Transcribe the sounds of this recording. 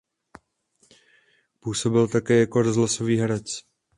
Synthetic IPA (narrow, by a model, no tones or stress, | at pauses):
puːso̞bɪlt̪akɛːjako̞ɾozlaso̞viːɦɛɾɛt͡s